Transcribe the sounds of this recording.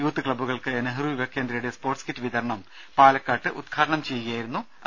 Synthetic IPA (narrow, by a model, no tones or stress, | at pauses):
juːt̪ːɨkɭɐbːuɣɐɭkɨɐnɐɦruʋiʋɐkːe̞ːnd̪ɾɐjuɽe̞spo̞ːrʈskitːɨʋiðɐɾɐɳɐm | paːlɐkːaːʈːɨʔud̪̚ɡʰaːɾɐɳɐmt͡ɕe̞jːuɣɐjaːjiɾunːu | ɐ